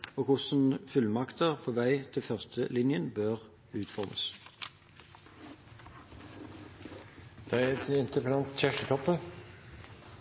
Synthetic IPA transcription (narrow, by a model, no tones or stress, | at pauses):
oːkʰʊsn̩fʉlmɑkt̪əʁfʰɔːʋæɪt̪ʰɪlfœʁst̪ʰəlɪnjənbøːʁ | ʉːt̪fɔʁmʔə̰s | d̪̥ɛɛɛt̪ɪnt̪əpənɑnt̪çæʃʈət̪ʰɔpːə